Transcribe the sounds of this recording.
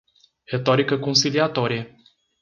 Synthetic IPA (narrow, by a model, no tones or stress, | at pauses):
ɾet̪oɾikəkonsiliat̪oɾie